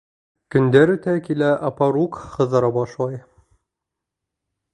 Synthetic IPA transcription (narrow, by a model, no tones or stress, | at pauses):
kɵ̆nd̪æɾɵ̆t̪ækilæʔɑpɑɾukχɤ̆ðɤ̆ɾɑbɑʃlˠɑj